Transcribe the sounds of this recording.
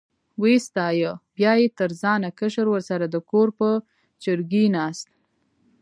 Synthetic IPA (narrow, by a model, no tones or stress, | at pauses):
west̪ɑjəbjɑjet̪əɾzɑnakəʃəɾwəɾsaɾad̪əkoɾpə | d͡ʒəɾɡinɑst̪̚